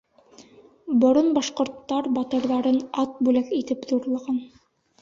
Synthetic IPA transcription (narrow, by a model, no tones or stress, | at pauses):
bŏɾonbɑʃqŏɾt̪ːɑɾbɑt̪ɤ̆ɾðɑɾɤnɑt̪̚bʉlækit̪ɘpðuɾlˠɑʁɑn